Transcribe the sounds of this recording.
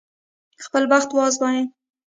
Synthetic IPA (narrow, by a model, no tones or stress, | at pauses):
xpəlwaxt̪wɑzbɑje